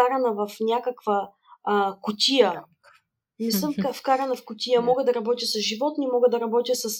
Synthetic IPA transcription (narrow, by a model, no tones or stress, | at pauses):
aɾɐnɐvɐfnʲakəkvəː | kʊt̪ʲiə | misˠəmfkfkaɾɐnɐfkʊt̪ʲijəmɔɡəd̪ɐɾɐbɔt̪ʲjəsɐsʒivɔt̪nimɔɡəd̪ɐɾɐbɔt̪ʲəsɐs